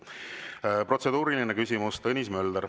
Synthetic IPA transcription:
pro̞t̪se̞d̪̥uːɾilinekysʲimust̪ɤnʲismø̞ld̪̥əɾ

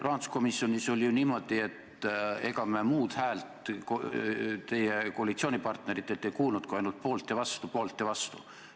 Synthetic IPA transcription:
rɑːnd̪u̥sko̞misːjo̞nʲiso̞lʲjuniːmo̞d̪̥ie̞t̪e̞ɡɑmemuːd̪̥hæːlt̪k | t̪e̞jeko̞ɑlit̪sio̞ːnʲipɑrt̪neɾit̪ˑːe̞t̪ːejkuːlnut̪̚kuɑjnult̪̚po̞ːlt̪ˑːevɑst̪upo̞ːlt̪ːˑevɑst̪u̥̰

